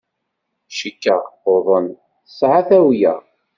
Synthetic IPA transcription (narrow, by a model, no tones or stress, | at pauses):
ʃəkːəoðˤən | sˤʕaθæwjæ̰